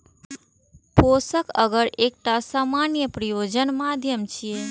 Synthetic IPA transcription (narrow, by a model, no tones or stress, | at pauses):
posəkʰəɡəɾek̚ʈasamanjəpɾijod͡ʒənmad̪ʱjəmt͡ʃʰije